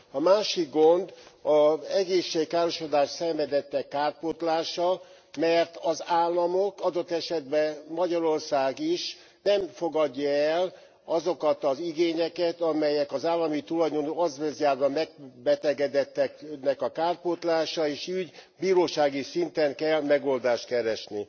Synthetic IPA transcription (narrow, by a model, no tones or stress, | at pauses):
ɒmaːʃiɡɡo̞nd̪ɒɛɡeːʃːeːjkːaːɾoʃod̪aːʃt̪sɛɱvɛd̪ɛt̪ːɛkːaːr̚pot̪laːʃɒ | mɛrt̪ɒzaːlːɒmokɒd̪o̞t̪ːɛʃɛd̪bɛmɒɟɒɾo̞rsaːɡiʃ | nɛmfo̞ɡɒɟːɒɛl | ɒzokɒt̪ɒziɡeːɲɛkɛt̪ɒmɛjɛkɒzaːlːɒmit̪ulɒjd̪onoɒzvezjaːrbɒmɛɡ̚bɛt̪ɛɡɛd̪ɛt̪ːɛknːɛkɒkaːr̚pot̪laːʃɒeːʃyɟbiːɾoːʃaːɡisint̪ɛŋkɛlmɛɡo̞ld̪aːʃt̪kɛɾɛʃni